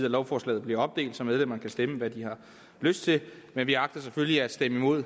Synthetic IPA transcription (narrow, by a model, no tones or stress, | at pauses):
ðˠɐlɒʊfɒːslɛ̰ːð̩ˠbliɐɒ̽b̥̚d̥e̝̰ːld̥sɒ̽með̞ˠlemɐnkʰæsd̥eməʋæd̥ihɑ̈ | løsd̥̚t͡sʰe̝l | menʋiɑ̈ɡ̥̚d̥ɐs̬efølliæd̥sd̥eməimo̝ð̰ˠ